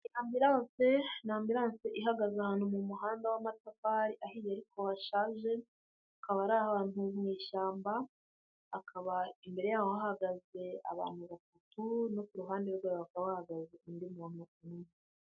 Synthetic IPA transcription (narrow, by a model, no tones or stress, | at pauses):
inaːmbiɾaːnse̞naːmbiɾaːnseʔihaɡazeahaːn̥umumuɦaːndawamatafaːɾiʔahijaɾikʰo̞haʃaːʒe̞ | akaβaɾahahaːn̥umŋiːʃaːmbaː | kʰaβaimbe̞ɾe̞jaːhohahaɡaze̞a̰βa̰ːnhuβatatuno̞kuɾuɦaːndeɾuɡwaɾoβakaβahahaɡazeʔindimunoununu